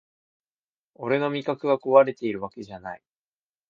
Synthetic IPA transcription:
o̞ɾe̞no̞mʲikakɯ̟βako̞βaɾe̞t̪e̞iɾɯ̟βake̞ʑanai

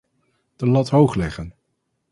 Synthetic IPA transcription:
d̥əlɑtɦowχlɛχən

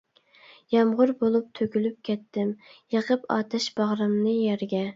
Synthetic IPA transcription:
jɑmʁʊɾbolˠup̚t̪ʰøkʲylyp̚kʲʰɛt̪ʰːɪmjəqʰəpɑ̰ːt̪ʰɨʃb̥ɑʁɾɨmnɨjɛɾɡʲɛ

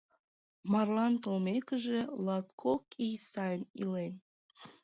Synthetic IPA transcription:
mɑrlɑnt̪olmekəʒĕlɑt̪kʰokijsɑjənilen

